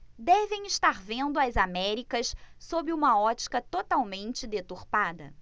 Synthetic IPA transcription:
d̪ɛvẽj̃ɪʃt̪aɾvẽnd̪ʊɐzamɛɾikɐssobɪũmɐɔt͡ʃi̥kɐt̪ot̪awmẽnt͡ʃɪd̪et̪uɾpad̪ɐ̰

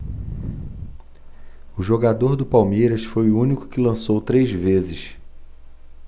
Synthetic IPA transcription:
ʊʒoɡad̪oɾd̪ʊpawmejɾɐsfojʊũnikʊ̥kɪlɐ̃sowt̪ɾejzvezɪʃ

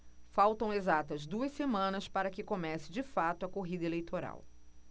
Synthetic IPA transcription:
fawt̪ɐ̃w̃ezat̪ɐzd̪uɐssemɐ̃nɐspaɾɐkɪkomɛsɪ̥d͡ʒɪfat̪ʊɐkoɦid̪ɐelejt̪oɾa̰w

